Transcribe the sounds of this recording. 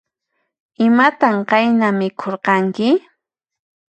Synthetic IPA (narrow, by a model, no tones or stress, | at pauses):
ɪmat̪aɴqɑjnamɪkʰoɾqɑŋkɪ